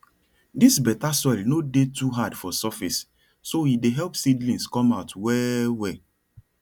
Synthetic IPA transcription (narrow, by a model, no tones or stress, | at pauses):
disbɛtasɔɪlnodetuɦadfɔsɔfisː | oideɦɛlpsidlĩnskɔ̃maʊtwɛwɛ